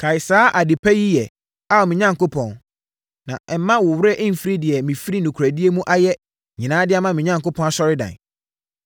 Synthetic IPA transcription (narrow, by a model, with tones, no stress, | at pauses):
kʰa˨ɪ˨saː˨˦ʔa˨dɪ˨pʰæ˦ji˦jɛ˨ | a˦˨mĩ˨ɲã˦˨ŋko˦pʰɔ̃˨n | nã̰˨ɛ˨m̩˦mã˦wʊ˨wɾɛ˦ʔm̩˦˨fɾi˦dɪ˨ɛ˨mĩ˨fɾi˦nũ˨kʰɾæ˨di˦e˦mũ˦ʔa˦jɛ˦ | ɲĩ˨nãː˦dɪ˦a˦mã˨mɪ̃˨ɲã˦ŋ˨kʊ˦pʰɔ̃˦na˨sɔ˦ɾɪ˦dã̰˨n